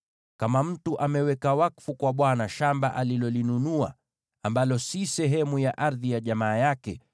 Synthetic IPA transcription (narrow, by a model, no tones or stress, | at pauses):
kamam̩tuʔamɛwɛkawakfukwaɓwanaʃambaʔalilɔlinunua | ambalɔsisɛɦɛmujaʔaɾðijaʄamaːjakɛ̰